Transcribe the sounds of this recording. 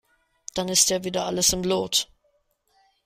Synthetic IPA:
d̥anɪstdeːɐviːdɐʔaləsɪmloːt

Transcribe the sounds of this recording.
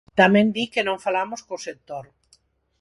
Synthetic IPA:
t̪amɛ̃nd̪ikenõŋfalamoskosek̚t̪oɾ

